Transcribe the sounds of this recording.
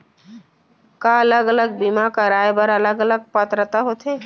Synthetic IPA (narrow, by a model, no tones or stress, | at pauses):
kaələɡələɡ̚bimakaɾaːebəɾələɡələɡ̚pət̪ɾət̪aɦot̪ɦeː